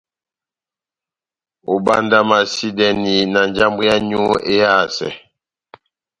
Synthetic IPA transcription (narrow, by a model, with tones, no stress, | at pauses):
o˨ba˦nda˦ma˨si˦dɛ˦ni˨na˨nd͡ʒa˦mbu˦ja˦ɲu˦e˦ja˦˨sɛ̰˨